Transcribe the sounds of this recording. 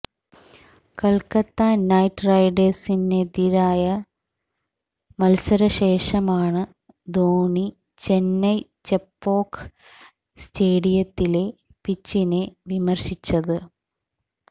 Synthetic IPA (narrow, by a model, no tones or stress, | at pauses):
kɐlkɐt̪ːanɐjtːrɐjɖesined̪iɾaːjɐ | mɐlsɐɾɐɕe̞ːʂɐmaːɳɨ | d̪oːɳi | t͡ɕe̞nːɐjt͡ɕepːo̞ːk | steːɽijɐt̪ːile̞ | pit͡ɕːineʋimɐrɕit͡ɕːɐðɨ